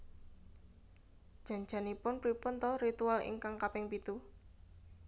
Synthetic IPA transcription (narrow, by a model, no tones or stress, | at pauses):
d̥ʒ̥ä̤ɲd͡ʒ̥a̤nipʊnpɾipʊnt̪ɔɾit̪ualɪ̰ŋkaŋkapɪŋpit̪u